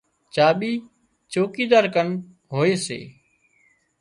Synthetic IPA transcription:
t͡ʃaːɓiː | t͡ʃoːkiːd̪aːɾkən | ɦoːeːsḛː

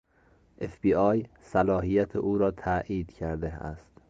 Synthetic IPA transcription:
ʔefb̥iːɒːj | sælɒːɦijæt̪ʰeʔuːɾɒːt̪ʰæʔiːd̪̥cʰæɾd̪eæ̰st̪

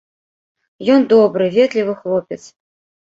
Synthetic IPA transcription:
jɔnd̪ɔbɾɨvʲɛt̪lʲivɨxlˠɔpʲɛt̪s

